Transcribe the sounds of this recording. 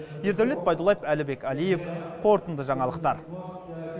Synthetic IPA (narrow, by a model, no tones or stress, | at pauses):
je̞ɾd̪æwlet̪̚bɑjd̪ulˠɑjepælɪbe̞kʲɑlije̞fqʰo̞ɾt̪ənd̪əʒɑɴɑlˠəqt̪ɑɾ